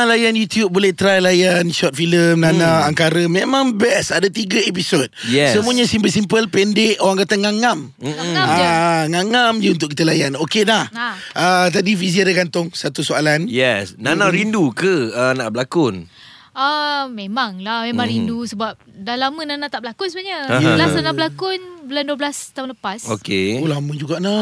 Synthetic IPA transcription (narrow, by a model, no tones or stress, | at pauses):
lajanjut̪jub̚bolɛht̪ɾajlajanʃɔt̪̚filəmnanãːŋkaɾəmẽmãŋbɛsadat̪iɡaep̬isod̚jɛsəmũaɲasimpəls̬impəlpɛndɪʔoɾaŋkat̪aŋaŋam̩ | aŋaŋamd͡ʒuunt̪̬ʊʔkit̪əlajanokelah | ʔət̪adifiziadəɡant̪ʊŋsat̪usoalanjɛsnanaɾindukəənaʔbəlakʊn | əmemaŋlahmemãŋɾindusəbap̚dalamənanat̪aʔbəlakʊnsəbaɲəlaanabəlakʊnbəlanduəblast̪aʊnləpaso̰keolamə̃d͡ʒuɡaʔna